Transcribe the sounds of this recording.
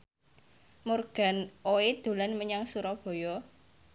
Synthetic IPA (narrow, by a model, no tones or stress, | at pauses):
murɡ̥a̤noed̪̥o̤lanməɲaŋsuɾɔb̥ɔ̤jɔ